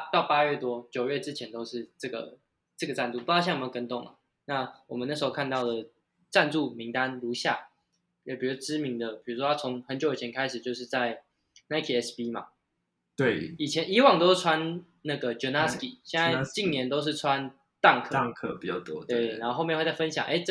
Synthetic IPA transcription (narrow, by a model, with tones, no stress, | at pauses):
t̪ɑ˥˩ʊpa˦ɥɛ˥˩t̪wɔ˦t͡ɕjo˨ʊɥɛ˥˩ʈ͡ʂɻ̩˦˥t͡ɕʰjɛ˧˥nt̪o˥ʊʂɻ̩˥˩˨ʈ͡ʂɤ˥˩ɡə̰˩ | ʈ͡ʂə˥˩ɡə˩ʈ͡ʂa˥˧nt̪u˥˩pu˧˥˧ɕjkə˥nt̪ʊ˥˨˩ŋla̰˨ | na˥˩wɔ˨˩mə˦na˥˩ʂɻ̩˧˥xo˧ʊkʰa˥˧nt̪ɑ˥˩ʊd̪ə˩ | ʈ͡ʂa˥˧nʈ͡ʂu˥˩mi˧˥ŋt̪a˦nlu˧˥ɕja̰˥˩ | jɛ˨˩pʰi˨˩u˧˥˧ʈ͡ʂɻ̩˥˦mi˨˧˥ŋd̪ə˨pi˨˩ɻu˧˥ʂ̬wɔ˦a˥t͡sʰo˧˦ŋxə˧˦nt͡ɕjo˧˦ʊi˨˩t͡ɕʰɛ˧nkʰa˥ɪʂɻ̩˨˩t͡ɕjo˥˧ʊʂɻ̩˥˧t͡sa˥˩ɪ | na˧˥ɪkʰi˨ɛ˦˥spi˥ma̰˨ | t̪we˥˩ɪi˨˩t͡ɕʰjɛ˧˦ni˧˥wɑ˨˩ŋt̪o˥ʊ˥˩ʈ͡ʂʰwa˦n | na˥˩ɡə˩ʈ͡ʂo˧na˥ski˨˩ɕjɛ˥˧nt͡sa˥˧ɪt͡ɕi˥˨nnjɛ˧˥nt̪o˥ʊʂ̬ɻ̩˥˩ʈ͡ʂʰwa˦n | t̪a˥˧ŋkʰkʰpi˨˩t͡ɕɑ˥˩t̪wɔ̰˦we˥˧˩ɪna˧˥nxo˥˧xo˥˧mjxwe˥˧t͡sa˥˩fə˦nɕjɑ̰˨˦ŋʔe˥ɪ